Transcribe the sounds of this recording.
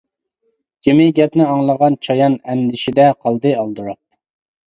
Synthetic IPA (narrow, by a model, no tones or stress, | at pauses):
kʲʰemɪɡʲɛpnɪɑŋlˠəʁɑnt͡ʃʰɑjɑnɛnd̪ɪʃid̪ɛqʰɑlˠd̪ɨɑlˠd̪uɾɑp̪̚